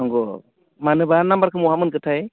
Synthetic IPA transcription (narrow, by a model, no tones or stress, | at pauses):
ɔŋɡɔ | manɯbanːambaɾkʰɯmuɦamɯnkɯtʰaj